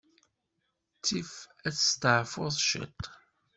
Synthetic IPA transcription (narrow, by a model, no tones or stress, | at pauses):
t͡sːifæt͡sːə̥st̪əʕfʊðˤʃə̰t̪ː